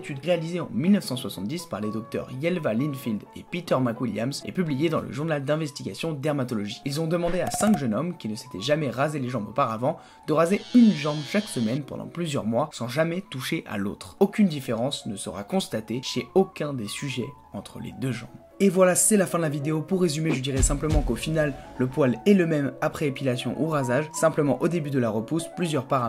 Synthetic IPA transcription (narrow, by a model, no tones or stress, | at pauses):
t̪yd̪ʁealizeɑ̰̃milnəfsɑ̃swasɑ̃t̪̚d̪ispa̰ʁled̪ɔk̚t̪œ̰ʁjɛlvalinfild̪ḛpit̪œʁmakwilja̰msɛ̰pyblijed̪ɑ̃lə̰ʒuʁnald̪ɛ̃vɛst̪iɡʲasjɔ̃d̪ɛʁmat̪ɔlɔʒiilzɔ̃d̪əmɑ̃d̪easɛ̃kʒənɔmkʲinəse̥t̪ɛʒamɛʁazeleʒɑ̃bo̰paʁavɑ̃ | d̪̥əʁazeynʒɑ̃bʃaksəmɛnpɑ̰̃d̪ɑ̰̃plyzjœ̰ʁmwasɑ̃ʒamɛt̪uʃeʔa̰lo̰t̪χokʲynd̪ifeʁɑ̃snəsə̰ʁa̰kɔ̃st̪at̪eʃeokʲɛ̃d̪esyʒɛ | ɑ̃t̪χə̰lḛd̪øʒɑ̰̃b | evwalasɛlafɛ̃d̪əlavid̪eopuʁːezymeʒəd̪iʁɛsɛ̃pləmɑ̃kofinalːəpwalɛləmɛmapχɛepilasjɔ̰̃ʔuʁazaʒsɛ̃pləmɑ̃ʔod̪ebyd̪əlaʁəpusplyzjœʁpaʁa